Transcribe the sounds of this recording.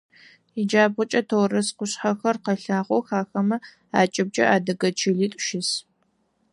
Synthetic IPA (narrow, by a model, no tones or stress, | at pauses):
id͡ʒaːbʁʊt͡ʃʼɐtʰoːrɐsqʷʊɕħɐxɐrqɐɬaːʁʷɔwxaːxɐmɐ | aːt͡ʃʼɪb̚d͡ʒʼɐ̰ʔaːdɐɡɐt͡ʃʰiːɮiːtʼʃɪs